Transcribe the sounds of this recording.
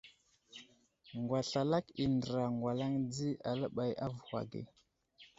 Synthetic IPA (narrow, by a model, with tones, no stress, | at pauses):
ŋɡwa˨ɬa˨la˦ki˨ndə˨ɾa˨ŋɡwa˨la˦ŋd͡zi˦a˨lə˦ɓa˨jʔa˦vu˨hwa̰˨ɡḭ˨